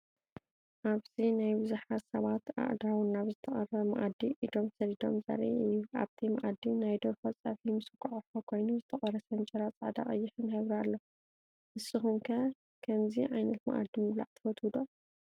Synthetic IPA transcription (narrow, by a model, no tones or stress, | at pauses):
ʔaβzinajbɨzuħat̪sɐβat̪a̰ʔd̪awnaβzɨt̪ʰɐχʼɐrɐmɐ̰ʔad̪iʔid̪o̞msɐɾid̪o̞̰mzɐ̰ɾḭʔɨjːua̰βt̪ʰimɐ̰ʔad̪ːinajd̪oɾfɐt͡sʼafimɨsɨkʼʕħokʰo̞jnuzɨt̪ʰɐχʼɐɾɐsɐnt͡ʃʼɐɾat͡sʼaʕd̪a̰χʼɐjːɪħɨnhɐβɾialːo | ʔɨsːɨxumkʰɐ | kʰɐmziʕajnɐt̪ma̰ʔa̰d̪ːimɨmla̰ʕt̪ʰɐ̥fɐt̪ʰwɨd̪o